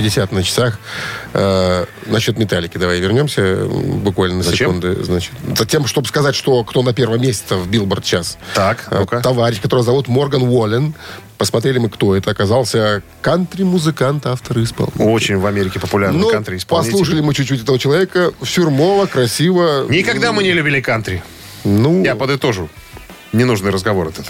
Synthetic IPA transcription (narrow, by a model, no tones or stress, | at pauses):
pɪdʲɪsʲat̪nət͡ɕɪ̥sax | nɐɕːo̞t̪mʲɪt̪alʲɪkʲɪd̪ɐvajvʲɪrnʲo̞msʲəbʊkvalʲnənəzsɪkund̪ʊ̰znat͡ɕɪ̥t̪zɐtʲemʂt̪o̞bɨ̥skɐzatʲʂt̪o̞kt̪o̞nɐpʲervəəmʲesʲɪ̥t̪səvbʲilˠbərt̪t͡ɕast̪akt̪ɐvaɾʲɪɕkɐt̪o̞ɾəjəzɐvut̪mo̞rɡənvolʲɪn | pəsmɐt̪ɾʲelʲɪmɨkt̪o̞ɛt̪əɐkɐzalˠsʲə | kant̪ɾʲɪmʊzɨkant̪aft̪əɾɨɪspa̰lˠot͡ɕɪnʲvɐmʲeɾʲɪkʲɪpəpʊlʲarnnoant̪ɾʲɪɪsppɐɐslˠuʂəlʲɪmɨt͡ɕʊt͡ɕːutʲɛt̪əvət͡ɕɪlˠɐvʲekəfsʲʊrmovəkɾɐsʲivənʲɪkɐɡd̪amɨnʲɪlʲʉbʲilʲɪkant̪ɾʲɪ | nujapəd̪ɨt̪o̞ʐʊ | nʲɪnuʐnɨjɾəzɡɐvo̞ɾɐt̪ɛt̪ə